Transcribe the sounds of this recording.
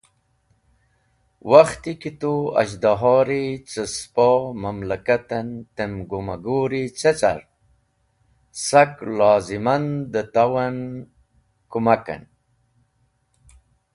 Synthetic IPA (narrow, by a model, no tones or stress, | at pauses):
waxt̪ikit̪uɐ̰ʑd̪aɦɑːɾit͡səspomɐmlakat̪ɐnt̪emɡumaɡoɾit͡set͡sa̰ɾ | saklaːzimand̪ət̪awan | kumaka̰n